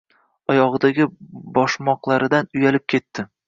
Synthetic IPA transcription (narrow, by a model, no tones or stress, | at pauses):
ɒjɒʁɨd̪aɡʲɪbɒʃmɒqlˠaɾɪd̪anʊjalɪp̚kʲʰe̞t̪ːɪ